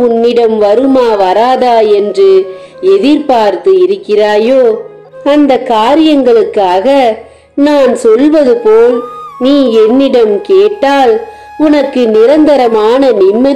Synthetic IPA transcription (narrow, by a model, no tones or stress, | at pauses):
ʊnːɪɽɐmʋɐɾɯmaːʋɐɾaːðaːɛndrɯ | ɛðɪɾpaːɾt̪ɯɪɾɯkːɪraːjoː | ɐnd̪ɐkːaːɾɪjɐŋɡɐɭɯkːaːɣɐ | naːnsɔlʋɐðɯpoːlniːɛnːɪɽɐmkeːʈːaːl | ʊnɐkːɯnɪɾɐnd̪ɐɾɐmaːnɐnɪmːɐ